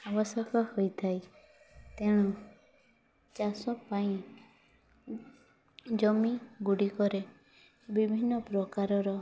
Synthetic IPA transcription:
abɔsɔkɔhojt̪ʰaj | t̪eɽ̃u | t͡ʃasɔpaĩ | d͡ʒɔmiɡuɽikɔɾe | bibʱinːɔpɾɔkaɾɔɾɔ

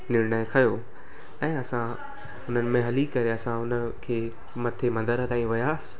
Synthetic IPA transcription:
nɪɾnaikʰɐjo | ɛ̃ːɐsã | ʊn̤ənɪ̆mẽɦɐlikɐɾeɐsãʊnəkʰeː | mɐt̪ʰemɐ̃nd̪əɾt̪ãːĩʋɐjaːsɪ̥

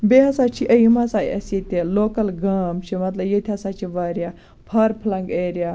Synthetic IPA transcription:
beɦɐsaːt͡ʃʰiʔəjimɐsaːjɐ̰set̪ʲeloːkɐlɡɐːmt͡ʃʰimɐt̪lɐbjet̪ʲʰɐsat͡ʃʰiʋɐɾja | pʰɐɾpʰlɐŋɡeɾja

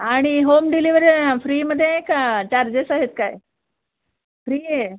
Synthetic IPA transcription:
aɽ̃iɦomɖiliʋəɾifɾiːməd̪ʱːjekat͡ɕaɾd͡ʑesaɦet̪̚kaj | fɾiːe

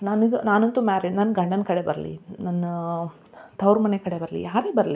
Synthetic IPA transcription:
nɐnɡenaːnɐnt̪umaːɾiɖnɐnːɡɐɳɖɐnkɐɽe̞bɐɾɐlḭnɐnːɐ | t̪ɐwɾmɐnekɐɽe̞bɐɾɐlḭjaːɾeːbɐɾɐli

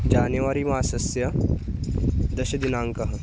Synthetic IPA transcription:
d͡ʑanjɐʋaɾiːmasɐsjɐ | d̪ɐɕɐd̪inaːŋkɐɦ

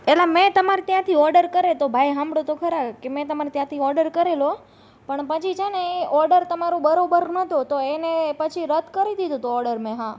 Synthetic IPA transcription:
elamẽt̪əmaɾet̪jãt̪ʰiɔɾɖəɾkəɾet̪obʱajɦãmbɽot̪okʰəɾakemɛ̃t̪əmaɾet̪jãt̪ʰiɔɾɖəɾkəɾelo | pəɳpət͡ʃʰid͡ʒaneeʔɔɾɖəɾt̪əmaɾobəɾobəɾnət̪ot̪oenepət͡ʃʰiɾəd̪ʱkəɾid̪id̪ũt̪oɔɾɖəɾmẽɦã

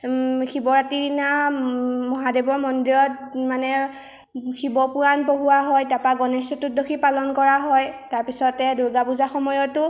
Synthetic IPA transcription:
xibɔɹatina | mɔɦadebɔɹmɔndiɹɔt̚manɛ | xibɔpuɹanpoɦuwaɦɔjtapaɡɔnesɔtudokʰipalɔnkɔɹaɦɔjtaɹpisɔtɛduɹɡapuzaxɔmɔjɔtʊ

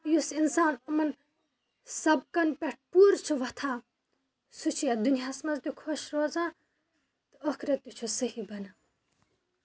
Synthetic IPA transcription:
jusinsaːnɐmɐn | sɐb̚kɐnpʲeʈ̚ʰpuːɾt͡ʃʰuʋɐt̪ʰãː | sut͡ʃʰijɐd̪unjaːsmɐzt̪ʲukʰoʃɾoːzãː | t̪ɨokʰɾɐt̪ut͡ʃʰusɐɦibɐna

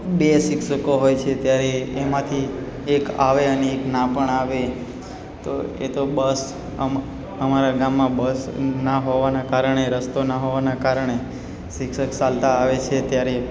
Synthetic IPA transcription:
besɪkʃəkoɦojt͡ʃʰet̪jaɾeːmãt̪ʰiː | ka̰ʋeəneːknapəɳaʋe | t̪o̰ḛt̪obəs | ə | əmaɾaɡamːãbəsnaɦoʋanakaɾəɳeɾəst̪onaɦoʋanakaɾəɳe | sɪkʃəksalt̪aːʋet͡ʃʰet̪jaɾe

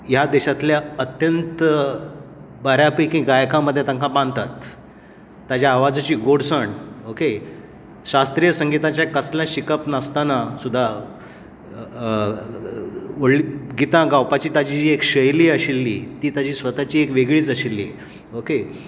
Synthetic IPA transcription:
jad̪eɕat̪ljaət̪jənt̪ | bəɾjapikĩɡajkãməd̪ʱːjet̪ãŋkʰabãnd̪t̪at̪ː | ad͡ʑjaːʋad͡zat͡ɕiːɡoɽsəɳoke | ɕast̪ɾijəsəŋɡit̪ãt͡ɕjakəsljãɕikəpnəst̪anasud̪ʱːa | oɽliɡit̪ãɡawpat͡ɕiːt̪ad͡ʑiːekɕəjliːəɕilːḭːt̪iːt̪ad͡ʑiːsʋət̪at͡ɕiːekʋeɡɭiːt͡səɕilːḭ | oke

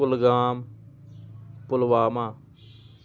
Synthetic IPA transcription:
ʊlɡaːm | pʊlʋaːmãː

